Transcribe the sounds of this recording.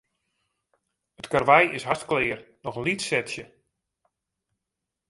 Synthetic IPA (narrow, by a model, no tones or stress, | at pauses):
ətkarʋɛjɪsɦastklɪːrnɔxlitsɛtsjə